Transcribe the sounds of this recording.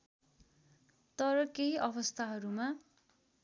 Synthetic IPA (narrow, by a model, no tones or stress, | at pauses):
t̪ʌɾʌkeɦiʔʌβʌst̪ʰaɦʌɾuma